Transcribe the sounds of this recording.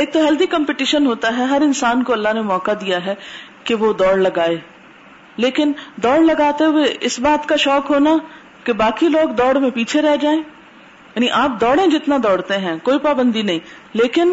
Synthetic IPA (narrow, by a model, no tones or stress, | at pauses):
eːk̚t̪oɦɛld̪ikə̃mpɪʈiːʃənɦoːt̪aɦɛɦɐɾɪnsaːnkoɐlːaɦnemɔːkad̪ijaɦɛkeʋod̪ɔːɽlɐɡaːeː | leːkɪnd̪ɔːɽlɐɡaːt̪euweʔɪsbaːt̪kaʃɔːkɦoːna | kebaːkiloːɡd̪ɔːɽmẽpiːt͡ʃʰeɾɛɦd͡ʒaːẽː | jaːniʔaːp̚d̪ɔːɽẽd͡ʒɪt̪nad̪ɔːɽt̪eɦɛ̃koːipaːbə̃nd̪inɐɦĩ | leːkɪn